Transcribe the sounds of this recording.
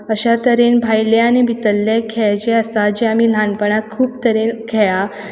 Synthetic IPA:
əɕat̪əɾenbʱajleañibit̪əlːekʰɛɭt͡ɕeəsad͡ʑeamiːlaɳpəɳ̃akʰuːp̚t̪əɾenkʰɛɭa

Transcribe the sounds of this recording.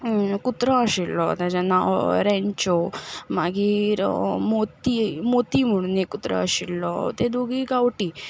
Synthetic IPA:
kut̪ɾaːɕilːɔd̪ad͡ʑanaɾeɲt͡ʃɔmaɡiɾmot̪imot̪imuɽnikut̪ɾa̰ːɕilːɔ̰t̪ed̪uɡiɡawʈi

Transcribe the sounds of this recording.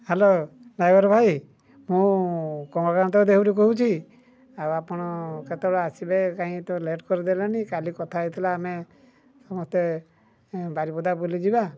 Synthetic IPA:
helolajbɔɾɔbʱaj | mũkɔmakañt̪ɔd̪ekʰuɾikɔɦut͡ʃʰi | awapɔɽ̃ɔket̪ebɔɭɔasibekãɦĩt̪ɔleʈkɔɾid̪elanikalikɔt̪ʰajt̪ʰilaːme | sɔmɔst̪e | baɾibɔd̪abulid͡ʒiba

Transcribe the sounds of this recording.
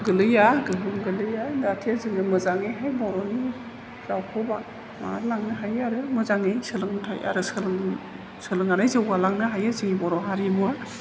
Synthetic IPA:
ɡɯlɯjaɡɯɦɯmɡɯlɯjadatʰiazɯŋɯmɯzaŋɯɦajbɔɾɔni | zawkʰɯba | ma̰ɾlaŋnɯɦajaɾɯmɯzaŋɯjsɯlɯŋtʰaja̰ɾɯsɯlɯŋ | sɯlɯŋanajzɯwalaŋnɯɦajazɯŋibɔɾɔɦaɾimua

